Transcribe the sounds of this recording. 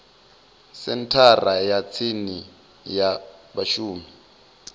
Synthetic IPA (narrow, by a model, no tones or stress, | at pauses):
sɛntʰarajat͡sʰini | jabaʃuːmi